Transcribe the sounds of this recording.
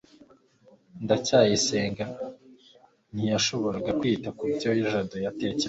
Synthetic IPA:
ndacaːjise̞ːŋɡa | n̥hijaʃo̞βo̞ɾaɡakwiːtakubɟojiʒadojate̞ːce

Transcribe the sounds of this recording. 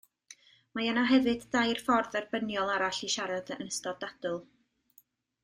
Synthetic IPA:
majanaɦɛvɨdːajrfɔrðɛrbənjɔlˠaɾaɬiʃaɾadənəstɔdad̥ʊlˠ

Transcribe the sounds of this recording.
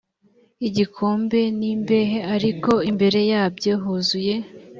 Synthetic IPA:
iɟikʰo̞ːmbe̞nimbe̞ɦeaɾiko̞imbe̞ɾe̞jaːbɟeɦozuje̞

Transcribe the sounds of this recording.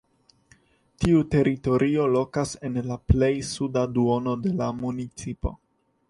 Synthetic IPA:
tiute̞ɾʔito̞ɾʔio̞lo̞kase̞nlaple̞jsudaduo̞no̞de̞lamunit͡sipo̞̰

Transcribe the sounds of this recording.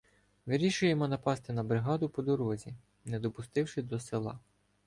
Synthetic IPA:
ʋɪɾʲiʃʊjemɔnɐpɑst̪ɪnɐbɾɪɦɑd̪ʊpɔd̪ɔɾɔzʲi | nɛd̪ɔpʊst̪ɪwʃɪd̪ɔselˠɑ̰

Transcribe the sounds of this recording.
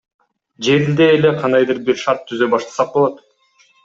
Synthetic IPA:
d͡ʒe̞ɾild̪eːle̞qʰɑnd̪ɑjd̪ɯɾbiɾʃɑɾt̪ʰːyzd̪øbɑʃt̪ʰɑ̥sɑq̚bo̞lˠot̪

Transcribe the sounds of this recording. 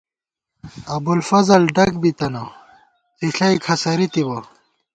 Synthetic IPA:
ɐbulfɐzɐlɖɐkbit̪ɐnɐ | t̪iɬɐjkʰɐsɐɾit̪ibɐ

